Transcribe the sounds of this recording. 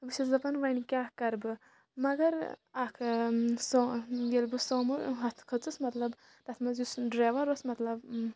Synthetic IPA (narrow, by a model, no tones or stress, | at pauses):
bɨsɐzɐpɐnʋɐnikʲaːkɐɾbɨ | mɐɡɐɾɐkʰsojelbɨsoːmɨɦɐt̪ʰkʰɐt͡sɨsmɐt̪lɐb | t̪ɐt̪ʰmɐzjusɖɾaːʋɐɾosmɐt̪lɐb